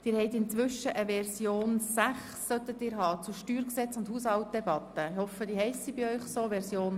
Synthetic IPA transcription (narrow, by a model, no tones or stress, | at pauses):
d̥ɪːɾhɛɪt̪ɪnt͡sʋʏʃəʔəʋɛrsjoːnsæχsːœt̪ətiːɾɦɑːt͡suʃtyːɾksɛt͡sʊndhuːshɑlt̚d̥̪ɛbɑt̪ːəɪhɔfəd̥ihɛɪsːibiœʏχsoːʋɛɾzjoːn